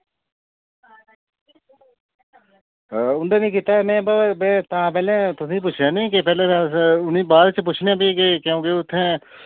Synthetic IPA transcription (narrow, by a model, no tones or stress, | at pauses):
ʊɳɖeːnĩːk̬it̪aːɛːmɛ̃ːbəbɛ̃ːt̪ãːpɛːlɛ̃ːt̪ʊsĩːp̬ʊt͡ʃʰjaːnĩːkɪpɛːlẽːt̪aːʊnĩːbaːd̪t͡ʃp̬ʊt͡ʃʰnejãːbiːkekeõːɡeʊt̪ʰːẽː